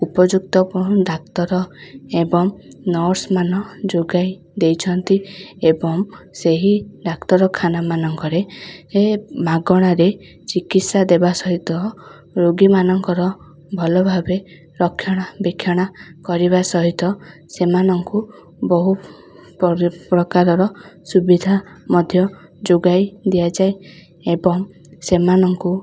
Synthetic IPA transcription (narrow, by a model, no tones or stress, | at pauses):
upɔd͡ʒukt̪ɔpɔ̃ud̪ak̚t̪ɔɾɔebɔŋnɔɾsmanɔd͡ʒoɡaj | d̪ejt͡ʃʰɔnt̪iebɔŋseɦid̪akt̪ɔɾɔkʰanamanɔŋkɔɾeemaɡɔɽ̃aɾe | t͡ʃikit̪sad̪ebasɔɦit̪ɔ | ɾoɡimanɔŋkɔɾɔ | bʱɔlɔbʱabe | ɾɔkʰːjɔɽ̃abikʰjɔɽ̃akɔɾiβasɔɦit̪ɔsemanɔŋku | bɔɦu | ppɾɔkaɾɔɾɔsubid̪ʱamɔd̪ʱjɔ | d͡ʒoɡajd̪ijad͡ʒaj | ebɔŋ | semanɔŋku